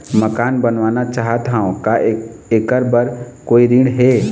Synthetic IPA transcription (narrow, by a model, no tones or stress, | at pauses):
məkaːnbənʋaːnat͡ʃaːɦət̪ɦaõkaekəɾbəɾkoːiɾĩɽɦɛ